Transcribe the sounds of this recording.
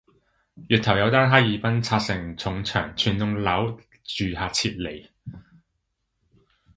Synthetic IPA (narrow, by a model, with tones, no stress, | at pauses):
jyː˨t̚t̪ʰɐ˨˩wjɐ˨˧wt̪aː˥nɦaː˥jjiː˨˧pɐ˥nt͡sʰaː˧t̚sɪ˨˩ŋt͡sʰʊ˨˧ŋt͡ʃʰœ̰ː˨˩ŋt͡sʰyː˨˩nt̪ʊ˧ŋlɐ˨˥w | t͡ʃyː˨haː˨˧t͡sʰiː˧t̚le˨˩j